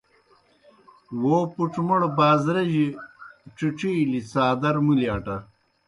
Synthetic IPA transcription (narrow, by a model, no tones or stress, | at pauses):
woːpuʈ͡ʂmɐɽbaːzɾɐʑiʈ͡ʂiʈ͡ʂilisaːd̪ɐɾmuljaːʈɐ